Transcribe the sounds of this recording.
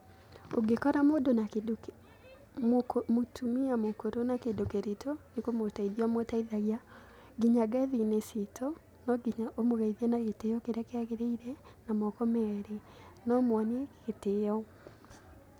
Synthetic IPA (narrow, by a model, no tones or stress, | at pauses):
o̰ɡekɔɾamodonakedok | mmotumiamokoɾonakedokeɾitʰonikomotaiðiamotaiðaɣja | ɡiɲaɡaðinesitʰɔ | nɔɡiɲaʔomoɣaiðiɛnaɣetejɔkeɾeakeaɣeɾeiɾɛ | namɔkɔmɛɾe | nɔmwɔneɣetejɔ